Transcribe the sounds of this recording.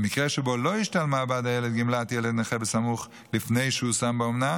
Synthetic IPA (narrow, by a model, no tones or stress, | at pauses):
mikʁɛʃəboloiʃtalmaːbadajɛledɡimlatjɛlɛdneχɛbəsamuχ | lifnejʃəusambɪomna